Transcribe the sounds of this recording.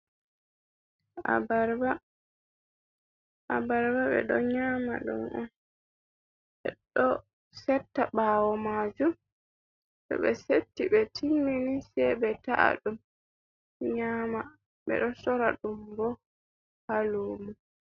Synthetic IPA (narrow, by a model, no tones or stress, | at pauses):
a̰baɾba | ʔabaɾbaɓɛ̰ɗɔɲaːma̰ɗɔ̰nʔɔn | ɓɛ̰ɗɔ | sɛtːaɓaːwɔmad͡ʒum | tɔ̰ɓɛsetːiɓɛtʰimːinisɛbɛtaʔa̰ɗum | ɲaːma | ɓɛ̰ɗɔsɔɾaɗumbɔ | haloːmu